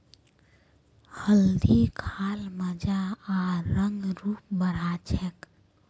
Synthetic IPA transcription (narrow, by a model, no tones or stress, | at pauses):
həld̪ikʰaːlməd͡ʒaaɾəŋɡɾuːp̚bəɾat͡ʃʰɛk